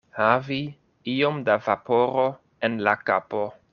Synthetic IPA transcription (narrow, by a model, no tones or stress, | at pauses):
havi | io̞mdavapo̞ɾo̞ | enlaka̰po̞